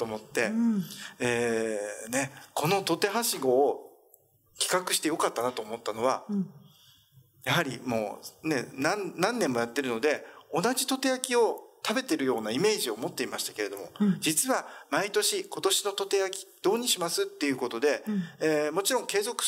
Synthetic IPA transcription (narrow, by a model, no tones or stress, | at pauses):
t̪omo̞t̪ːe̞ | eːne̞kʰo̞no̞t̪o̞t̪e̞ɦaɕiɡo̞ː | kʲi̥kakɯ̟ɕi̥t̪e̞jo̞kat̪ːanat̪o̞ːmo̞t̪ːano̞βa | jaɦaɾʲḭmo̞̰ːne̞nannãnːẽ̞mːo̞jat̪ːe̞ɾɯ̟no̞d̪e̞o̞naʑit̪o̞t̪e̞jakʲio̞t̪abe̞t̪e̞ɾɯ̟jo̞ːnaime̞ːʑio̞mo̞t̪ːe̞imaɕi̥t̪ḁke̞ɾe̞d̪o̞mo̞̰d͡ʑit͡sɨβamait̪o̞ɕiko̞t̪o̞ɕino̞t̪o̞t̪e̞jakʲi̥d̪̥o̞ːɲ̟iɕimasɨt̪ːe̞jɯ̟kot̪o̞d̪e̞ː | mo̞t͡ɕiɾõ̞ŋke̞ːzo̞kɯ̟̥